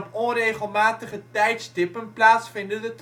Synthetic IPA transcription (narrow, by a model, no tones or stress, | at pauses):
nɔnrejχəlˠmaːtəχətɛjtsdɪpəŋplaːtsfɪndənət